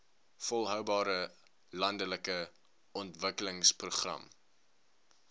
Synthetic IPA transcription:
fɔlˠɦœwbɑːɾə | lɐndələkə | ɔntvəkələŋspruχrɐ̰m

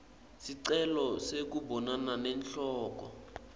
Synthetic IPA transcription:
siǀɛlɔsek̬ubɔnananɛnɬɔːk̬ɔ

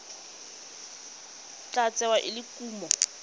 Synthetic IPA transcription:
t͡ɬat͡sʼɛwaʔɪlɪkʼuːmɔ

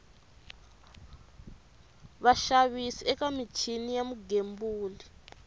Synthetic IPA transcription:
βaʃaβisiɛkamit͡ʃʰinijamuɡembuːli

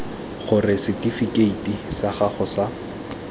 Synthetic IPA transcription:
χʊrɪsɪtʼifikʼeitʼisaχaχʊsa

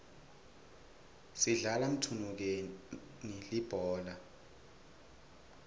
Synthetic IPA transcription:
siɮalam̩tʰunuk̬enilib̥ʱɔːla

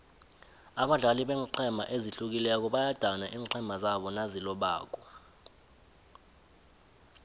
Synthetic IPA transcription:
aɓaɮaliɓɛːŋǃʰɛmbʱa̰ʔeziɬuk̬ilɛk̬ɔɓajad̥ʱanaʔiːǃʰɛmbʱazaɓɔnazilɔɓa̰ːk̬ʼɔ

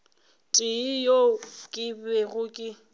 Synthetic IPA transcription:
tʼɪjokʼɪbɛɣʊkʼɪ

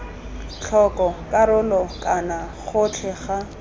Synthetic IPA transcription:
t͡ɬʰɔkʼɔkʼaɾʊlɔkʼana | χʊt͡ɬʰɛχa

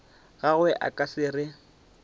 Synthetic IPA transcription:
ɣaɣʊɛʔa̰kʼasɪrɪ

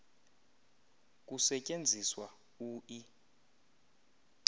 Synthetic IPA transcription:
k̬ʼusɛcʼend͡zʱiswa | uːʔi

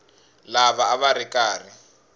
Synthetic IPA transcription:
laβaːβaɾɪkʼaːri

